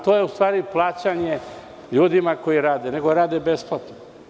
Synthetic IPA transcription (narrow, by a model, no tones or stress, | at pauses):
t̪oːjeust̪ʋaːɾiplˠaːt͡ɕaɲe | ʎuːd̪imako̞jiɾaːd̪ene̞ɡoɾaːd̪ebesplˠat̪no